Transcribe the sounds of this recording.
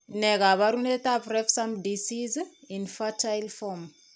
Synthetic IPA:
nɛkaβaɾunetaprɛfsamdisizinfatʰajlfɔm

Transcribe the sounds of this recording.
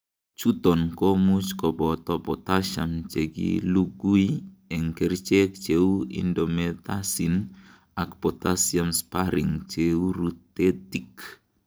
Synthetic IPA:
t͡ʃut̪ɔnkɔmut͡ʃkɔbɔt̪ɔpɔt̪aʃa̰mt͡ʃeɡḭluɡuiɛŋkɛrt͡ʃɛk̚t͡ʃeuḭndɔmet̪asin | akpɔt̪asiamspaɾḭŋt͡ʃeuɾut̪ːet̪ik

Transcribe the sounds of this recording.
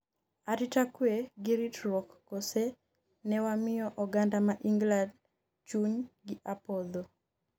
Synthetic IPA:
aɾɪtakweɡɪɾitɾwɔkːose | nɛwamɪjɔʔɔɡandamaʔiŋɡlad | t͡ʃunɡɪʔapɔd̪o

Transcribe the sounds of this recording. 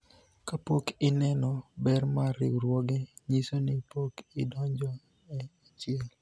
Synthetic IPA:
kapokɪnɛnɔbɛrmaɾɪ̰wɾwɔɡɛɲisonɪpokɪ̰dɔɲd͡ʒɔ | ɛat͡ʃɪɛl

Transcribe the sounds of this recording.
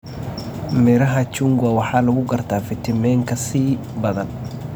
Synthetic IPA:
mɛɾɐɦɐt͡ʃʊŋɡɐwɑħɑːlɐɣʊɡɐrt̪ʰaːfɪt̪ʰɪmɛːŋkʰɐsiː | bɐðɐn

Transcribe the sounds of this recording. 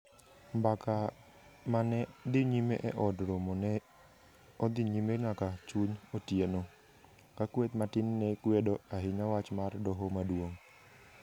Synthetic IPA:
mbaka | manɛd̪ɪɲimeʔɛʔɔdɾomɔnɛ | od̪ɪɲimeŋakat͡ʃuɲotjeno | kakwet̪matɪnːɛkwedoaɦɪɲawat͡ʃmardɔɦɔmadwoŋ

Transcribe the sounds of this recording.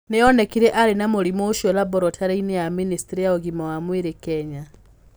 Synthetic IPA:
nɛɔnɛkiɾɛʔaɾenamolimoːʃɔlabɔɾɔtʰaɾainɛjaministiɾijaoɣimɔwamwiɾekɛɲa

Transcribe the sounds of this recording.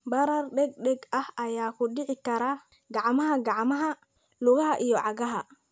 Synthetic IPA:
bɐɾaɾɗɛɡ̚ɗɛɡahajaːkuɗɪʕɪkɐɾa | ɡaʕmɐhaɡaʕmɐɦa | luɣɐhaʔijɔʕaɡaɦa

